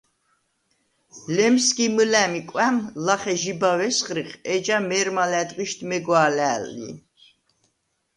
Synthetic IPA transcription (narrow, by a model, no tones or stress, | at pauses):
lɛmskimɨlæmikʼwæmlaχɛʒibawɛsχɾiχɛd͡ʒamɛɾmalɛd̪qʼiʃt̪ʰmɛɡwaːlæːlːḭ